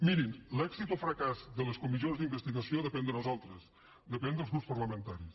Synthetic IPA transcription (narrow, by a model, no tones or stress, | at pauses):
miɾinlɛɡzit̪ofɾəkazd̪ələskumizionzd̪imbəst̪iɣəsioðəpɛnd̪ənuzalˠt̪ɾəz | d̪əpɛnd̪əlˠzɣɾupspəɾləmənt̪aɾis